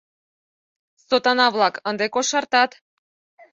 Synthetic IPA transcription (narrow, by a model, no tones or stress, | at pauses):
sot̪ɑnɑβlɑkənd̪ekoʃɑrt̪ɑt̪